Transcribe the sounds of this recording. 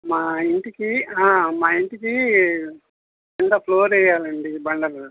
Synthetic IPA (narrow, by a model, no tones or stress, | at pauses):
maːiɳʈikiaːmaːiɳʈiki | ɐŋk̪ɐpʰloːɾɛjaːlɐɳɖibɐɳɖɐl